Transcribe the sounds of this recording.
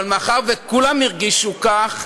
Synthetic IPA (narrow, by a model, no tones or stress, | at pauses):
lmaχaʁvekulamiʁɡiʃukaχ